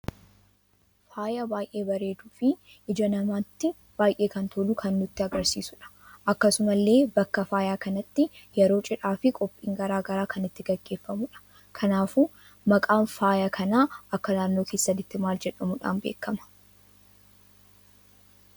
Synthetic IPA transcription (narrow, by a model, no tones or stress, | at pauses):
faːjɐbaːjʔe̞ːbɐɾe̞ːd̪uːfɪ | ʔɪd͡ʒɐnɐmaːt̪ːɪ | b̥aːjʔe̞ːkɐnt̪ʰolukʰɐnːʊt̪ːɪɐɡɐɾsḭːsʊᶑɐ̥ | ʔɐkːɐsʊmɐlːe̞ːbɐkːɐfaːjaːkɐnɐt̪ːɪjɛɾo̞ːt͡ʃʼɪᶑaːfɪkʼɔpʼːiːŋɡɐɾaːɡɐɾaːkʰɐnɪt̪ːɪɡɐɡːe̞ːfːɐmʊᶑɐ̥ | kʰɐnaːfu | mɐkʼaːnfaːjakʰɐnaːʔɐkːɐnaːnːo̞ːkʰe̞ːsːɐnɪt̪ːɪmaːld͡ʒɛᶑɐmʊᶑa̰ːnbeːkːɐmɐ̥